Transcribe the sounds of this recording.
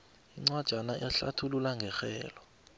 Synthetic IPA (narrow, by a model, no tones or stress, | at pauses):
iŋ͡ǀwad̥ʒ̥ʱanaʔɛɬa̰tʰululaŋɡʱɛxɛːlɔ